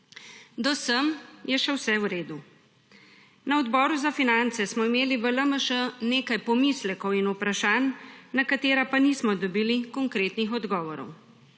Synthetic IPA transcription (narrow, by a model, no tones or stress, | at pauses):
d̪ɔsəmjɛʃɛwsɛwɾeːd̪u | nɐɔd̪bɔːɾuzafinant̪sɛsmɔimeːliʋələməʃəneːkajpɔmiːslɛkɔwinupɾaʃaːnːɐkat̪eːɾapaniːsmɔd̪ɔbiːlikɔŋkɾeːt̪nixɔd̪ɡɔːʋɔɾɔ̰w